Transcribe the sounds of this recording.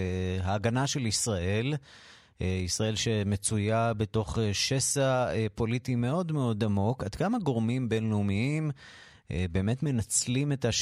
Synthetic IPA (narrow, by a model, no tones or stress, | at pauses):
ɦaːɡanaʃe̞lisʁaʔe̞l | isʁae̞lʃe̞met͡sujabe̞to̞χeʃe̞saepo̞litime̞o̞dmeo̞damo̞kad̪kamaɡo̞ʁmimbe̞nleumiim | ebe̞ːme̞tme̞nat͡slime̞taʃ